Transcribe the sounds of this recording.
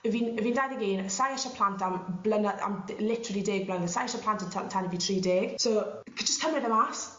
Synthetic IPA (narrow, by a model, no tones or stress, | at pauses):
əviːnviːndajðəɡiːnəsajaʃapʰl̥ˠantʰamblənaa̰mlɪtʰəɾəlˠideːɡ̚blənəðsajaʃapʰl̥ˠantəntʰatʰanəvitʰriːdeːɡ̥soː | kʰd͡ʒəstkʰəmrɛðəmas